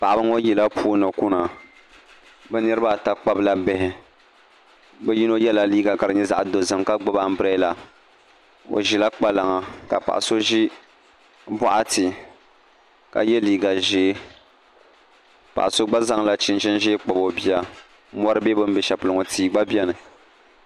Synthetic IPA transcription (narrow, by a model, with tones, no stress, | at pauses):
pa˨ʔa˨bɨ˦ŋo˦ji˨la˦pʰuː˦nɨ˨ku˦na˨ | bɛ˦nɨ˦ɾɨ˦ba˦˨ta˨k͡pa˦bla˦bɛ˦hɪ˨ | bɛ˦ji˦no˦jɛ˦la˨liː˦ɡa˨ka˨ɾɨ˨ɲɛ˦za˨ʔa˨do˨zɨ˨mka˦ɡ͡bɨ˦ba˦m̩˦bɨ˦ɾa˦la˨ | o̰˨ʒi˨la˦k͡pa˦la˨ŋa˨ka̰˨pa̰˨ʔa̰˨so˦ʒi˦ | ba˦ʔa˦tɪ˨ | ka̰˨jɛ˦liː˦ɡa˨ʒeː˦ | pa̰˨ʔa˨so˦ɡ͡ba˦za˦ŋla˦t͡ʃɪ˨n˦t͡ʃɪ˦nʒe˦k͡pa˨bo˨bi˦a˨˦ | mɔ˦ɾɨ˦bɛ˦bɨ˦m˦bɛ˨ʃa˨pʊ˨lɨ˨ŋo˨tiː˦ɡ͡ba˦bi˦ɛ˦nɨ˨